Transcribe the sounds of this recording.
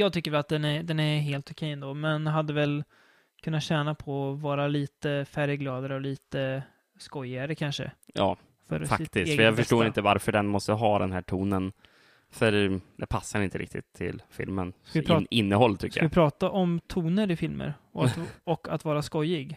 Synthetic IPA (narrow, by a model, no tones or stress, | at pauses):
jɑːɡt̪ʰʏkːəɾvɛlat̪̚d̪ɛnæd̪ɛnæɾɦeːlt̪ʊkʰɛjːɛnd̪oːmɛnɦad̪ːəvɛl | kʰɵnːat̪ɕɛːnapʰɔɔvɑːɾaliːt̪əfæɾjəɡlɑːd̪aɾəɔliːt̪ə | skɔjːɪɡaɾəkʰanʂə̰jɑ̰ː | fœ̰ɾfat̪ːɪsəɾjafœʂʈoːɾɪnt̪əvaɾfœɖɛnmɔst̪əɦɑːd̪ɛnhæːʈʰuːnən | fœɾd̪ɛpʰasːaɾɪnt̪əɾɪ̰k̚t̪ʰɪ̰t̪ʰːɪ̰lfɪ̰lmənsɪɾɪnːəhɔlːt̪ʰʏkːəjaɪpʰɾɑːt̪aʔɔmt̪ʰuːnəɾɪfɪlmə̰ɾɔɔkːat̪vɑːɾaskɔjɪɡ